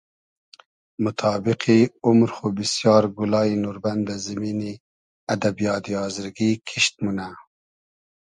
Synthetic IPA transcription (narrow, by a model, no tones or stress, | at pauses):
mʊt̪ʰɑːbiqʰiʊmɾxubisjɑːɾɡulɑːinuɾband̪azimiːni | ad̪abijɑːt̪iɑːzɪɾɡikʰiʃt̪̚muna